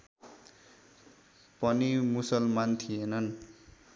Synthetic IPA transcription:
pʌnimusʌlmant̪ʰienʌn

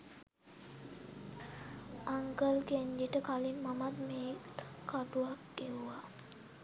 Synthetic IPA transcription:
aŋkəlkeɲd͡ʒiʈəkalinmamat̪meːkːaʈuakʈiʋa

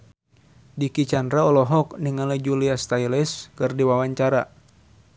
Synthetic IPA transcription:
dikit͡ʃandɾaɔlɔɦɔkniŋalɛd͡ʒuliast̪ailɛskɨrdiwawaɲt͡ʃaɾa̰

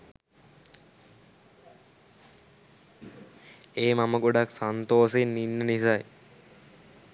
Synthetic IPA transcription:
eːmaməɡoɖaksant̪oːsenːinːənisaj

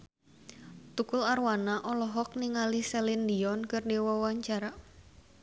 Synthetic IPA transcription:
t̪ukʊlarwanaʔɔlɔɦɔk̚niŋalisɛlindiɔnkɨrdewɔwaɲt͡ʃaɾa

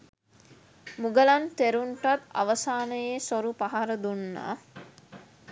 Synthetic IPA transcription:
muɡəlant̪eɾuɳʈat̪a̰ʋəsaːnəjesoɾupaɦaɾəd̪unːa̰ː

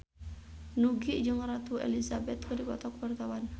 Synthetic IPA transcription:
nuɡiʔd͡ʒɨŋɾat̪uɛ̰lizabɛt̪̚kədipɔt̪ɔkwart̪awan

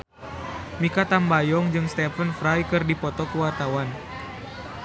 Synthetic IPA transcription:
mikat̪ambajɔŋd͡ʒɨŋst̪ɛfənfɾajkɨrdipɔt̪ɔkuwart̪awan

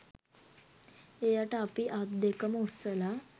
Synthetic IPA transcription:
ejaʈapiʔat̪d̪ekəmosəla

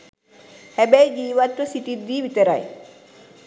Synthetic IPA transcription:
hæbæjd͡ʒiːʋat̪ʋəsiʈid̪ːiːʋit̪əɾaj

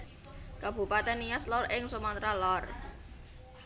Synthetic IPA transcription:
kab̥ṳpat̪ɛnijaslɔrɪŋsumant̪ɾalɔr

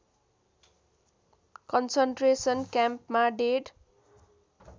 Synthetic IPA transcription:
kʌnsʌɳʈresʌnkjampmaɖeɽ

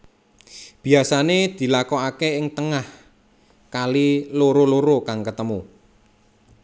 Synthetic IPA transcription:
b̥iasaned̪̥i̤lakɔakeɪŋt̪əŋah | kaliloɾoloɾokaŋkət̪əmu

